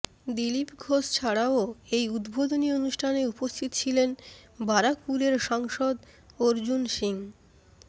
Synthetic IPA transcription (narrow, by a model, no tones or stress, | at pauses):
d̪ilipɡʱoʃt͡ɕʰaɽaoejud̪bod̪onionuʃʈʰaneupost̪ʰit̪o̥t͡ɕʰilenbaɾak̚puɾeɾʃaŋʃod̪ | oɾd͡ʑunʃiŋ